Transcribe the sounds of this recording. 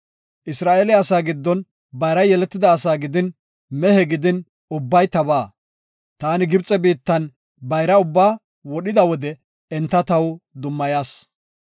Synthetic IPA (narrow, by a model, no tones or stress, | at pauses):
ʔɪsɾaːʔelɛɐsaːɡɪd̪ːɔn | bɐjɾɐjɛlɛt̪ːɪd̪ɐːsaːɡɪd̪ɪn | mɛhɛɡɪd̪ɪn | ʊbːɐjt̪ɐbaː | t̪aːnɪɡɪbt͡sʼɛbiːt̪ːɐn | bɐjɾɐʊbːaː | wɔɗɪd̪ɐwɔd̪ɛ | ɛnt̪ːɐt̪ɐwd̪ʊmːɐjaːs